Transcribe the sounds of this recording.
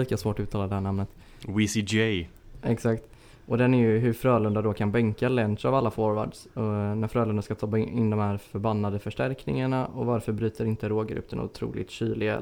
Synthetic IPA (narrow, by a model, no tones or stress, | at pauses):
iːkasvoːʈɔʉt̪ʰːɑːlad̪ɛhæːɳamnət̪ | wisid͡ʒɛɛksakt̪ | ʔɔd̪ɛnæɾjɵɦɵfɾœːlɵnd̪ad̪ɔkʰanbɛŋkalɛnt̪avalːafɔɾva̰ːɖsɔnæɾfɾœːlɵnd̪aʂkat̪ʰɔɪnd̪ɔmhæːɾfœɾbanːad̪əfœʂʈæɾknɪ̰ŋaɳaɔvaɾfœɾbɾyːt̪əɾɪnt̪əɾoːɡɾɵ̰pːd̪ɛnʊ̰t̪ʰɾṵːlɪ̰t̪ɕyːlɪɡa̰